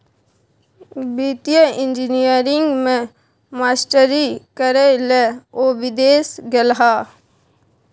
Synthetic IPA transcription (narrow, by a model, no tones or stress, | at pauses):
bit̪jəɪ̃nd͡ʒinijəɾɪ̃ŋɡmẽ | maːsʈəɾikəɾeleoːbɪd̪eːsɡəlɦa